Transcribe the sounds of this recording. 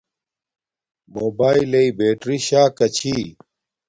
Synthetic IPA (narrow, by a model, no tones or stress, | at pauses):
moːbaːilɐibeːʈɾiɕaːkɐt͡ɕʰi